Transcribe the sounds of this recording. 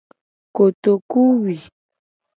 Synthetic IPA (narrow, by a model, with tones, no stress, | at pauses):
ko˨t̪o˨ku˦wi˨